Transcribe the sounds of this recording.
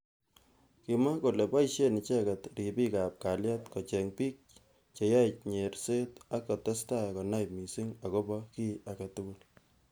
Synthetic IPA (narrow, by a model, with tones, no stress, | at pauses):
ki˨ma˦ko˨le˨pa˦iʃe˦nɪ˨t͡ʃɛ˦ka˨tɾi˨pi˦ka˨p̚ka˨lja˦tkɔ˨t͡ʃɛ˨ŋpi˦k̚ | t͡ʃe˨ja˦t͡ʃɲe˨ɾse˦ta˦kːɔ˨tɛ˦sta˦kɔ˨na˦jmi˨si˦ŋa˨ko˦bɔ˦ki˦a˨ka˨tʊ˦ku˦l